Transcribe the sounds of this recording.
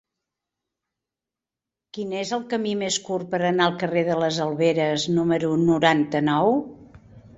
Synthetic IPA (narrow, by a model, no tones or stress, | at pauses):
kinezəlˠkəmimeskurpəɾənaəlˠkəreðələzəlˠβeɾəznuməɾunuɾant̪ənɔw